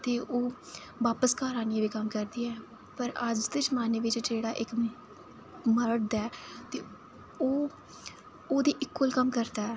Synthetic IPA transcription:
t̪eːʔoː | ʋaːpəskaːɾaːniãʋiːkəmkəɾd̪iːɛː | pəɾəd͡ʒd̪ɪt͡ʃmaːneːʋɪt͡ʃd͡ʒeːɽaːʔɪk | məɾɽd̪ɛːt̪eː | oː | oːd̪iːʔɪkːolkəmkəɾd̪aːɛː

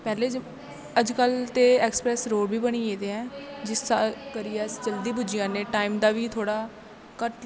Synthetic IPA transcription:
pɛːleːd͡ʒ | əd͡ʒkəlt̪eːɛːksə̥pɾɛːsɾoːɽbiːbəɽ̃iːeːd̪eːɛ̃ːd͡ʒɪst̪aːkəɾɪjɛːsd͡ʒəld̪iːbud͡ʒɪjãːneːʈaːiːmd̪aːʋiːt̪ʰoːɽaː | kəʈ

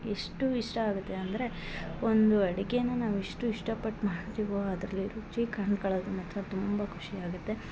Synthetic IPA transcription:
eʂʈuiʂʈɐaːɡut̪ːe̞ɐnd̪ɐɾe̞ | ond̪uɐɽiɡejɐnːɐnaːʋiʂʈuiʂʈɐpɐʈːmaːɽt̪ɾiːʋoɐd̪ɾɐlːiɾut͡ʃikɐɳɖkɐɭɐːd̪umɐt̪ːɾɐt̪umbɐkʰuʂiaːɡut̪ːe̞

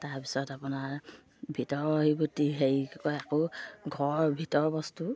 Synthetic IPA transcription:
taɹpisɔtapunaɹ | bʱitɔɹɔɦibutiɦejkojakoɡʱɔɹbʱitɔɹbɔstu

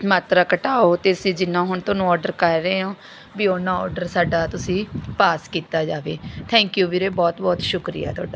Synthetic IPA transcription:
maːt̪ɾaːkəʈaːoːt̪eːsĩːd͡ʒɪnãːɦʊɳt̪õːnũːɔːɾɖəɾkəɾːeːãː | biːoːnãːɔ̰ːɖəɾsaːɖaːt̪ʊsĩːpaːskiːt̪aːd͡ʒaːʋeːt̪ʰɛ̃ːŋkjuːʋiːɾeːbɔːt̪bɔːt̪ʃʊkɾḭja̰ːt̪ʰʊaːɖaː

